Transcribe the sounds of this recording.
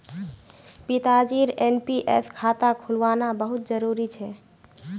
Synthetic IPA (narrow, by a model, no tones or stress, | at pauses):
pit̪ad͡ʒiɾenpiʔḛskʰat̪akʰulʋanabəɦut̪̚d͡ʒəɾuɾit͡ʃʰɛ